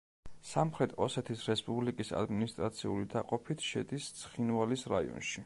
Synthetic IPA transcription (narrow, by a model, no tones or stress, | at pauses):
samχɾɛt̪ʰɔsɛt̪ʰisɾɛspʼublikʼisa̰d̪minist̪ʼɾat̪sʰiulid̪aqʼɔpʰit̪ʰʃɛd̪ist̪sʰχinvalisɾaḭɔ̰nʃi